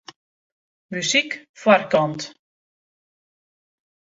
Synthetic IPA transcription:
mysikfwarkɔnt

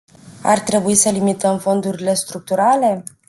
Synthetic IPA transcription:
a̰rt̪ɾe̞buisəlimit̪əmfo̞nd̪uɾile̞st̪ɾuk̚t̪uɾale̞

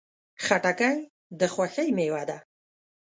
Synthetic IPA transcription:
xaʈakaj | d̪əxwaxəjmewad̪a

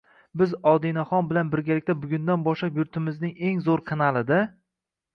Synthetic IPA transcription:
bɪzɒd̪inaχɒnbɪlanbɪɾɡʲalɪkʲt̪abʊɡʲʊnd̪anbɒʃlapjʊɾt̪ʰɪmɪznɪŋe̞ŋzoɾqʰɑnalˠɪd̪ɪ

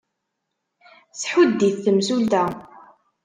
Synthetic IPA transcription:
sħud̪ːiθːəmsuld̪æ

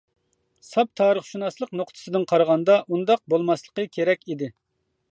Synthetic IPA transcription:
sɑp̚t̪ʰɑːɾəχʃunɑslˠəqnoqt̪ʰɨ̥sɨd̪ɨnqʰɑɾəʁɑnd̪ɑʔund̪ɑq̚bolˠmɑslˠə̥qəkʲʰeɾɛkʲid̪ɪ

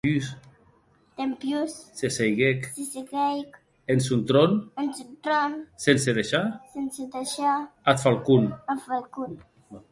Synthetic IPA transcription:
ys | t̪empjussesejɣeksiseɣɛjk | ensunt̪ɾonensunt̪ɾonsenseðeʃasensed̪eʃaat̪falkunafalkun

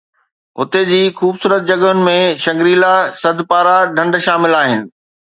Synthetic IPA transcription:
ʊ̰t̪ed͡ʑiːxuːbsuːɾət̪̚d͡ʑɐɠʊnɪ̆mẽʃɐ̃ŋɡɾiːlasɐd̪ʱpaːɾaɖʱɐ̃ɳɖʃaːmɪlaːɦɪnɪ̆

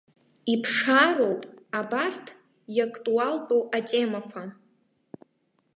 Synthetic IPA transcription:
ipʰʂaro̞wpʼabartʰ | jakʼtʼualtʼowʼatʼemakʷʰa

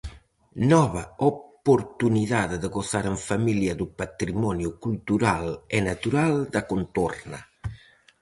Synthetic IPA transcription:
nɔβaopoɾt̪uniðaðd̪əɡosaɾəɱfamiljiad̪upat̪ɾimɔnjukult̪uɾalɛnat̪uɾald̪akunt̪ɔrna̰

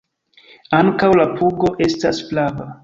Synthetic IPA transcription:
aŋkawlapuɡo̞ʔe̞stasplava

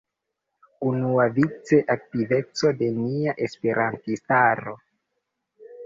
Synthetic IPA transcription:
unuavit͡se̞ʔak̚tive̞t͡so̞de̞niaʔe̞spe̞ɾʔantistaɾo̞

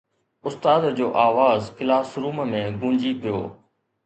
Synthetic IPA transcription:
ʊst̪aːd̪d͡ʑoːʔaːʋaːzkɪlaːsɾuːmmẽːɡũːɲd͡ʒiːpɪjo̰ː

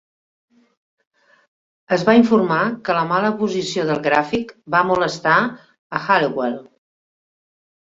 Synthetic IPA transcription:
əzβaiɱfuɾmakələmaləpuzisioðəlˠɣɾafikbamuləst̪a | əxaliwel

